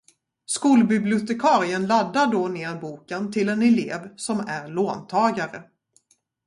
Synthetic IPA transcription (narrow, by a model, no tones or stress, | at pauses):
skuːlbɪblɪʊt̪ɛkʰɑːɾɪənlad̪ːaɖɔneːɾbuːkənt̪ʰɪlɛnɛleːvsɔmæɾɭoːnt̪ʰɑːɡaɾə